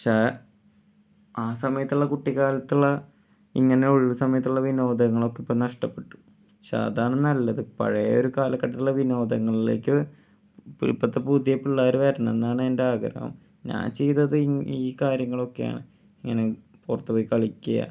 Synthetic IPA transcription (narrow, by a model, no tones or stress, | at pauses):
ɐt͡ɕa | aːsɐmɐjɐt̪ːuɭːɐkuʈːiɣaːlɐt̪ːuɭːɐ | ḭŋːɐneuɻʋusɐmɐjɐt̪ːuɭːɐʋino̞ːd̪ɐɐŋːɐɭo̞kːeipːoːnɐʂʈɐpːe̞ʈːu̥ | ɐt͡ɕa̰ɐ̰ðaːɳenːɐlːɐðɨpɐ̰ɻɐjɐoɾukaːlɐkːɐʈːɐt̪ːuɭːɐʋino̞ːd̪ɐŋːɐɭilḛːkːɨ | ppːɐt̪ːepuːd̪jɐpːiɭːaːɾuʋeːɾɐɳenːaːɳɨendeaːɡɾɐ̰hɐ̰m | ɲa̰ːnt͡ɕe̞jt̪ːɐðɨiːkaːɾjɐŋːɐɭo̞kːe̞ja̰ːɳɨ | iŋːɐne̞ | purɐt̪ːɨpoːjkɐɭikʲːuja̰